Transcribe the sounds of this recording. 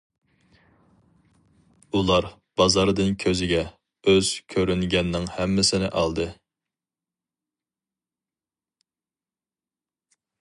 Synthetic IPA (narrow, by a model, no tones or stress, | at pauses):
ulˠɑɾ | b̥ɑzɑɾd̪ɨnkʲʰøzɪɡʲɛ | øz̥kʲʰøɾynɡʲɛnːɪŋhɛmːɪsɪnɪʔɑlˠd̪ɨ